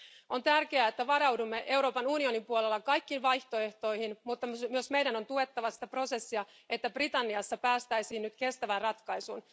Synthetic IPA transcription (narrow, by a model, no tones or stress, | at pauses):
o̞nt̪ærkeæet̪ːæʋɑɾɑwdumːeʔe̞uwɾo̞ːpɑnunio̞nimpuolelːɑkɑjkːiːnʋɑjht̪o̞e̞ht̪o̞ijhinmut̪ːɑmyøsmejdæno̞nt̪ue̞t̪ːɑʋɑsi̥t̪æpro̞se̞sːiɑ | e̞t̪ːæbrit̪ɑnːiɑsːɑpæːst̪æjsiːnnyt̪ke̞st̪æʋænrɑt̪kɑjsṵn